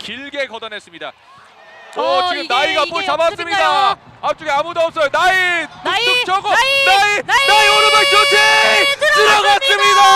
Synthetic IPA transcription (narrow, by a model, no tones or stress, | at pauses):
kiɭɡe̞kʌdʌnes͈ɯmɲida̰ | ʌt͡ɕiɡɯmnaiɡapot͡ɕabas͈ɯmɲida | ap̚t͡ɕ͈oɡeamudoʌp̚s͈ʌjonaitut͡ɕ͈okt͡ɕʰʌɡonainaioɾɯmat͡ɕot͡ɕʰesʰɯɾʌɡas͈ɯmɲida